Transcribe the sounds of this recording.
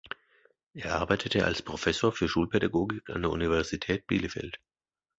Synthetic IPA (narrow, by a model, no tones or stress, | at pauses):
ʔeːɐʔaɐbaɪtʰətʰəʔa̰lspʁ̥ofɛsoːɐfyːɐʃuːlpʰɛdaɡoːɡɪka̰ndeːɐʔṵnivɛɐzitʰɛːt̚b̥ḭːləfɛ̰lt